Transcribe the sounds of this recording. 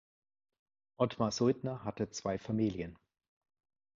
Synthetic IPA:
ʔɔtmazʊldnɐɦatət͡sv̥aɪfamiːljən

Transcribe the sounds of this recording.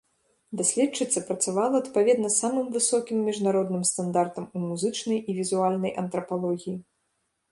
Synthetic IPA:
d̪asʲlʲɛt͡ʂːɨt̪sːɐpɾɐt̪savalˠɐːt̪pavʲɛd̪nɐsamɨmvɨsɔkʲimːʲiʐnaɾɔd̪nɨmst̪and̪art̪ɐmumuzɨt͡ʂnɐjivʲizualʲnɐjʔɐnt̪ɾɐpalˠɔɣʲiji

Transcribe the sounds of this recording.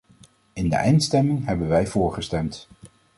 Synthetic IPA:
ɪndə̰ʔɛjntstɛmɪŋɦɛbənʋɛjv̥ʊːɹχəstɛmt

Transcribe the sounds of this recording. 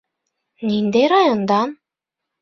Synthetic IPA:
nind̪eɾɑjond̪ɑn

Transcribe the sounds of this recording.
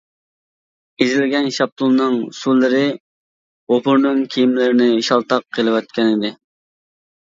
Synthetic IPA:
ezɪlɡʲɛnʃɑp̚t̪ʰulˠnɨŋsullːɨɾɪ | opʰʊɾnɨŋkʲʰijimlɪɾɪnɪiʃɑlˠt̪ɑqʰːelˠɪwɑt̪̚kʲʰɛnɪd̪ɪ

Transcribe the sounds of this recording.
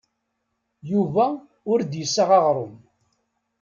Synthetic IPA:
juvæ | ʊɾd̪jəsːaʁɑʁɾˤom

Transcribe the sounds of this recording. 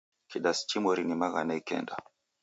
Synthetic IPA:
kiɗast͡ʃimɔɾinimaɣanaikɛ̰nda

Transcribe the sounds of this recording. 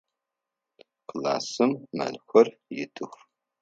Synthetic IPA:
qla̰ːsɨmːɐ̰ɮxʷɔrjɪtʰɨxʷ

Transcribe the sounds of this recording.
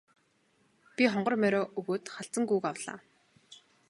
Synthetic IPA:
pʲiχɔɴɢɞ̆rmæɾʲɔːʔɵɣoːt̪χaɬt͡sə̆ŋɡujkawɮa̰ː

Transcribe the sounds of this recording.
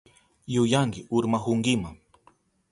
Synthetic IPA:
jʊjaŋɢɪʊɾmaxʊŋɡɪmaŋ

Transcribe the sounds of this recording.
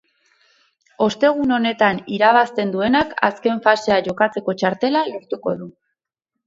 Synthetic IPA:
o̞st̪e̞ɣ̞uno̞ne̞t̪aniɾaβ̞ast̪e̞nd̪ue̞naka̰ske̞ɱfase̞aʝo̞kat͡se̞ko̞t͡ʃaɾt̪e̞laloɾt̪uko̞̰ðu

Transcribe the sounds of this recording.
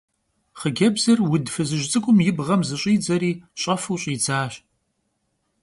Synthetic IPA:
χəɡʲɐbzɐrwʊdfɨzɨʒt͡sʼɨkʷʼʊmjɪbʁɐmzɨɕʼiːd͡zɐɾiːɕʼɐfuːɕʼjɪd͡zaːɕ

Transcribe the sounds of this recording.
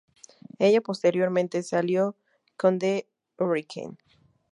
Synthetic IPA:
e̞ʝapo̞st̪e̞ɾjo̞ɾmẽnt̪e̞saljo | ko̞nd̪e | rikʰḛn

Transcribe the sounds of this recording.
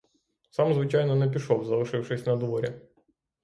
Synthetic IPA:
sɑmzʋɪt͡ʃajnɔnɛp̬ʲiʃɔwzɐlˠɪʂɪwʂɪsʲnɐd̪ʋɔɾʲɐ

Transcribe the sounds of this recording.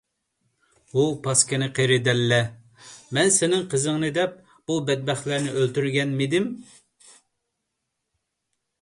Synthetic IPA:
bupʰɑskʲɪnɪqʰeɾɪd̪ɛlːɛ | mɛnsɪnɪŋqʰəzəŋnɨd̪ɛp̚ | b̥ubɛd̪̚bɛχlæɾnɪʔølt̪yɾɡʲɛnmɪd̪ɪm

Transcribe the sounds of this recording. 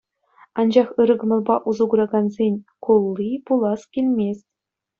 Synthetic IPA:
ɑnd͡ʑɑχɯɾɤ̆ɡɤ̆mɤ̆lˠbɑʔuzuɡuɾɑɡɑnzʲenʲkulˠːipulˠɑskʲilʲmʲesʲtʲ

